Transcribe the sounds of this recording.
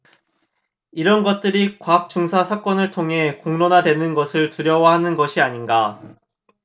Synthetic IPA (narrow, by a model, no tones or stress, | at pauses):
iɾʌnɡʌt̚t͈ɯɾikwap̚t͡ɕ͈uŋsʰasʰak͈ʌnɯɭtʰoŋɦe̞koŋnonadwe̞nɯnɡʌsʰɯɭtuɾjʌwahanɯnɡʌɕʰiaɲinɡa